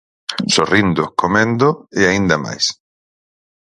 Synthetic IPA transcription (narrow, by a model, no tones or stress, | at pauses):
sorind̪ʊkomẽnd̪oeaind̪ama̰js